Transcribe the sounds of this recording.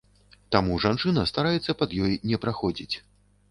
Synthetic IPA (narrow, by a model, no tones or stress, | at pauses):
t̪amuʐant͡ʂɨnɐst̪aɾajɛt̪sːɐpɐd̪jɔjnʲɛpɾaxɔd͡zʲit͡sʲ